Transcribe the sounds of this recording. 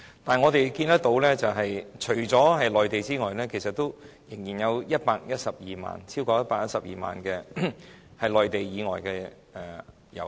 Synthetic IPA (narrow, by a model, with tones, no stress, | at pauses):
t̪aː˨ŋɔ˨˧t̪e˨jkiː˧nt̪ɐ˥k̚t̪o˨˥wlɛː˥t͡sɐ˨wɦɐ˨jt͡ʃʰɵ˨˩ɥt͡sɔː˨˥ɦɐ˨jlɔː˨jt̪e˨jt͡siː˥ŋɔː˨jlɛː˥kʰe˨˩jsɐ˨t̪ːo˥w | jɪ˨˩ŋjiː˨˩njɐ˨˧wjɐ˥t̚paː˧k̚jɐ˥t̚sɐ˨p̚jiː˨˩ma̰ː˨nt͡sʰiː˥wkɔː˧jɐ˥t̚paː˧k̚jɐ˥t̚sɐ˨p̚jiː˨ma̰ː˨˩nkɛː˧ | hɐ˨jlɔː˨jt̪e˨jjiː˨˧ŋɔː˨jkɛː˧ | ɛ˨ | jɐ̰˨˩w